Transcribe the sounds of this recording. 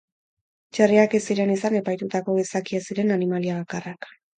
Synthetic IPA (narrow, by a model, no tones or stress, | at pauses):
t͡ʃariakesiɾe̞nisane̞pajt̪ut̪ako̞ɣesakiasiɾe̞nanimaliaβakarak